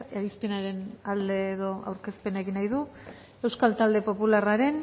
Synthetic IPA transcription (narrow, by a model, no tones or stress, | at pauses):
eɾispe̞naɾe̞nald̪e̞ːðo̞a̰wɾke̞spe̞naeɣinajðu | e̞wskalt̪ald̪e̞po̞pularaɾe̞n